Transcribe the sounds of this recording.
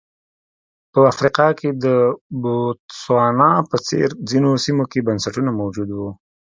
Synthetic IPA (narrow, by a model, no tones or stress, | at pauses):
pəafɾiqɑkʰed̪əbot̪swɑnɑpət͡sḛɾd͡zinosimokebansaʈunamawd͡ʒud̪wu